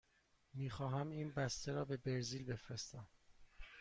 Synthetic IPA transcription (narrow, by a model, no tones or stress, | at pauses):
miːxɒːɦæmiːnbæst̪ʰeɾɒːbe̞be̞ɾziːlbe̞fɾest̪æm